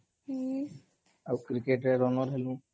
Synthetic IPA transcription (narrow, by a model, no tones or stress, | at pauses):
akɾikeʈɾɛɾɔnɔɾɦɛlũ